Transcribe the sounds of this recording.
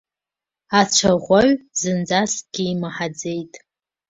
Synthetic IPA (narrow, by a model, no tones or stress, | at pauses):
at͡ʃʷʰaʁʷaɥzɨnd͡zasɡ̥ʲiːmaħad͡ze̞jtʼ